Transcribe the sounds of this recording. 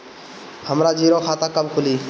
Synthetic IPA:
həmɾaːd͡ʒiːɾoːkʰaːt̪akːabkʰʊliː

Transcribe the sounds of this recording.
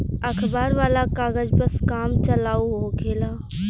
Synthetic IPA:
əkʰbaːɾʋaːlakaːɡəd͡ʒpəskaːmt͡ʃəlaːuɦokeːlaː

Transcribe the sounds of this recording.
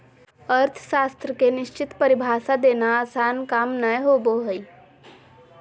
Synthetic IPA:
əɾt̪ʰə̥ʃaːst̪ɾəkenɪʃt͡ʃɪt̪pəɾibʱaːsad̪eːnasaːnkaːmnəjɦoboɦəi

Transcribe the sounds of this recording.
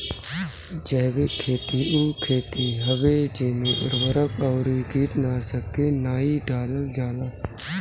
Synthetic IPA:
d͡ʒɛːbekʰːeːt̪iuːkʰeːt̪iːɦəbeːd͡ʒeːnũʔʊ̰ɾʋəɾəkɔːɾiːkiːt̪naːsəkːeːnaːiɖaːləld͡ʒaːlaː

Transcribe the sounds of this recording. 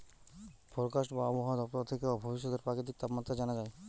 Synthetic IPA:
pɔɾkaʃʈbaɔboɦad̪ɔp̚t̪aɾt̪ʰekebabʱobiʃ̬ːɔd̪eɾpɾakit̪ik̚t̪apmat̪ːɾad͡ʑanad͡ʑae

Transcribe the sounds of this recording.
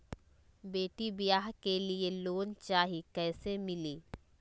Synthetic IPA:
beːʈibɪjaːɦkelieloːnt͡ʃaːɦikɛːsemɪliː

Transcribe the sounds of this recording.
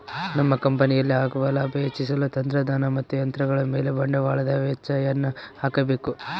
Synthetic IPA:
nɐmːɐkɐmpɐnijɐlːiaːɡɐʋɐlaːbet͡ʃːis̬ɐlut̪ɐnt̪ɾɐd̪aːnɐmɐt̪ːujɐnt̪ɾɐɡɐɭɐme̞ːlebɐɳɖɐʋaːɭɐd̪ɐʋɛt͡ʃːaːjɐnːɐhaːkɐbe̞ːku

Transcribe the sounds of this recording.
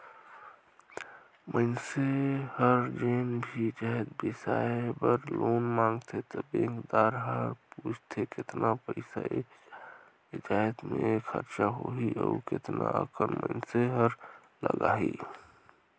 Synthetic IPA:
mʔəɪnsehəɾd͡ʒeːnbʱid͡ʒaɦed̪bɪsaebəɾloːnmãŋɡt̪ʰet̪əbẽŋkd̪aːɾɦəɾpuːt͡ʃʰt̪ʰekɪt̪napəɪsa̰i | d͡ʒat̪mekʰəɾt͡ʃaɦoɦiʔə̰ukɪt̪na̰əkənmʔəɪnseɦəɾ | ləɡaɦi

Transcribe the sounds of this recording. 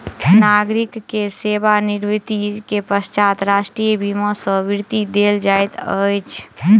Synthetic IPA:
naɡɾikːesebaniɾʋit̪ikepəst͡ʃat̪ɾasʈɾijbʱiməsə̃biɾt̪id̪eld͡ʒajt̪əjt͡ʃʰ

